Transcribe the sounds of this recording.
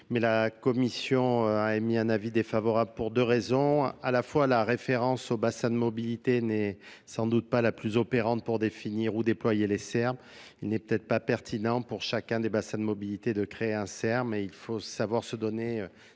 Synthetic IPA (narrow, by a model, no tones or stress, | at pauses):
mɛlakɔmisjɔ̃aemiɛ̃navid̪efavɔʁabləpuʁd̪øʁezɔ̃alafwalaʁefeʁɑ̃sobasɛ̃d̪əmɔbilit̪enɛsɑ̃d̪ut̪̚palaplyzɔpeʁɑ̃t̪̚puʁd̪efiniʁud̪eplwajelesɛʁm | ilnɛpø̥t̪ɛt̪χpapɛʁt̪ʰinɑ̃puʁʃakʲɛ̃d̪ebasɛ̃d̪əmɔbilit̪ed̪əkχeeɛ̃sɛʁmeilfosavwaʁsəd̪ɔneø